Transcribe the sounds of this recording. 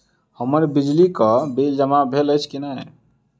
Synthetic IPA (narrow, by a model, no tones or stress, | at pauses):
həməɾbid͡ʒlikəbild͡ʒəmabʱeləjt͡ʃʰkinaɦḛ